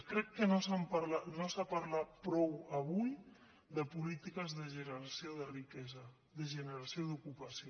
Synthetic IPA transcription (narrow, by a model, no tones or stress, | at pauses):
kɾɛkːənosampaɾlanosapaɾlat̪̚pɾɔwəβuj | ðəpulit̪ikəzðəʒənəɾasijoðərikɛzə | ðəʒənəɾasioðukupɐsio